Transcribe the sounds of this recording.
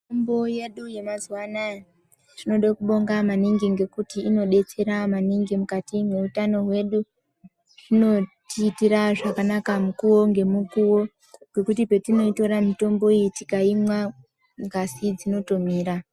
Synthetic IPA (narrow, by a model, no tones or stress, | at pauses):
tomboje̞ɗuje̞maziwanaj | rino̞ɗakuɓo̞ŋɡamaniŋɡiŋɡe̞kutiːno̞ɗe̞t͡se̞ɾamaniŋɡimukatimwe̞utano̞ɦwe̞ɗu | rino̞tiːtiɾaʐakanakamukuwo̞ŋɡe̞mukuwo̞ | ɡe̞kutipe̞tino̞ito̞ɾamito̞mbo̞ijitikaimwa | ŋɡasid͡zino̞tomiːɾa